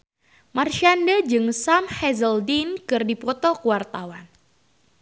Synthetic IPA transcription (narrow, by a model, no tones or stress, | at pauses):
marʃandəd͡ʒɨŋsamhɛzəldinkɨrdipɔt̪ɔkuwart̪awan